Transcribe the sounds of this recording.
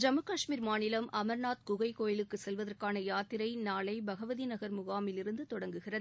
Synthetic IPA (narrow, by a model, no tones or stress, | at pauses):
d͡ʒɐmɯkɐʂmiːɾmaːnɪlɐmʔɐmɐɾnaːt̪̚kʊɣɐɪkoːjɪlɯkːɯsɛlʋɐðɐrkaːnɐjaːt̪ɪɾɐɪnaːlɐɪbɐɣɐʋɐðinɐɣɐɾmʊɣaːmɪlɪɾɯnd̪ɯt̪ɔɽɐŋɡɯɣɪrɐðɯ